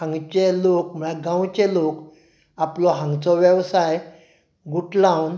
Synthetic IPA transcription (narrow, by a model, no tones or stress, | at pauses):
ɦãŋɡt͡ɕelokm̤əɭaɡãwt͡ɕelok | aplɔɦãŋɡt͡sɔʋjɛʋsaj | ɡuʈlãwn